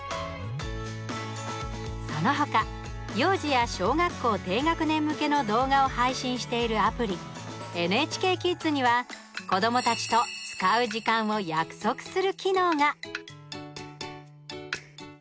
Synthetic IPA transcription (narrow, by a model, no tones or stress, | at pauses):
so̞no̞ɦo̞ka | jo̞ːʑijaɕo̞ːŋakːo̞ːt̪e̞ːŋakɯ̟nẽ̞mːɯ̟ke̞no̞d̪o̞ːɡao̞haiɕĩɰ̃ɕi̥t̪e̞iɾɯ̟apɯ̟ɾʲie̞nɯ̟e̞t͡ɕi̥ke̞ːkʲit͡sɨɲ̟iβa | ko̞d̪o̞mo̞t̪at͡ɕi̥t̪o̞t͡sɨ̥kaɯ̟ʑikãɰ̃o̞jakɯ̟̥so̞kɯ̟̥sɨɾɯ̟kʲino̞ːŋa